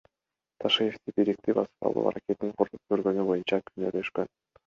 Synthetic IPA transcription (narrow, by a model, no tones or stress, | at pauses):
t̪ʰaʃɯjeft̪ibiɾik̚t̪ibɑ̰sɯ̥p̚t̪ɑ̰lˠṵɑ̰ɾake̞t̪ːiŋqʰoɾlup̚køɾɡø̞nybo̞junt͡ʃɑkʰynøløʃkøn